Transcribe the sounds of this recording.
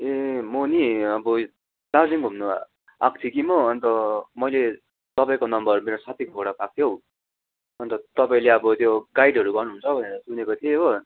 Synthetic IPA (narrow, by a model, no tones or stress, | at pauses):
emoniʌbʌ | d̥̪ad͡ziŋɡʱumnua | a̰k̚t̪ʰikimʌːnt̪ʌmʌjle | t̪ʌpaĩkonʌmbʌrrumeɾosat̪ʰikʌoɽapak̚t̪ʰjow | ʌnt̪ʌt̪ʌpaĩleʌbʌt̪joɡajɖɦʌɾuɡʌrnuɦunt͡sʰʌbʱʌneɾʌsunekot̪ʰieːʌ